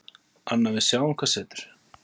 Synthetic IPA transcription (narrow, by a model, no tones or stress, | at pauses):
anːavɪsjaːwɪŋ̥kʰvasɛːt̪ʏ̥ɾ̥